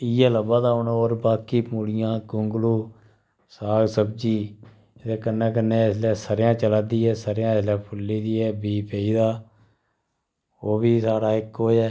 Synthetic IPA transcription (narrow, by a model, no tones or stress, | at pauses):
iɛːləbaːd̪aːoːnːoːɾbaːkiːpuːɽɪjãːkʊŋɡluː | saːɡsəbd͡ʒiː | d̪eːkənːɛ̃ːk̬ənːeːɪslɛːsəɾjãːt͡ʃəlaːd̪iːɛːsəɾjãːɪslɛːpʰʊlːiːd̪iːɛːbiːpeːiːd̪aː | oːbiːsaːɽaːɪkɦoːd͡ʒɛː